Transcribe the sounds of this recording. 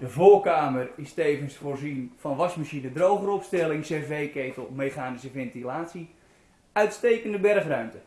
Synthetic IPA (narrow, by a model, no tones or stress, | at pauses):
d̥əvoːkaːmərɪstejvənsfoːrzinfɑnʋɑsmaʃinədrowχərɔpstɛlɪŋsevejkejtəl̩ˠmejχaːnisəvɛntilaːtsi | œɥtstejkəndəbɛrχrœɥmtə